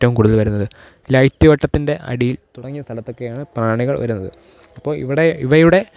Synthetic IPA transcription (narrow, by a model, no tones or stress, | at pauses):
tːɐʋumkuːɽuðɐlʋɐɾunːɐðɨ | lɐjtːjɐʋɐʈːɐt̪ːinde̞ʔɐ̰ɽijilt̪uɽɐŋːijɐst̪ʰɐlɐt̪ːo̞kːe̞jaːɳɨpraːɳiɣɐɭʋɐ̰ɾunːɐðɨ̰ | ɐpːo̞ːɭḭʋiɽeiʋɐjuɽe̞